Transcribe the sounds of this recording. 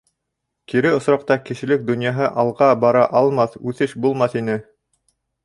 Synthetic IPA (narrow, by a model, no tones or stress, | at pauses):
kiɾɘŏsɾɑqt̪ɑkɘ̆ʃɘ̆lɘk̚d̪ŏnjɑɦɤʔɑlˠʁɑbɑɾɑʔɑlˠmɑθʉθɘʃbulˠmɑθinɘ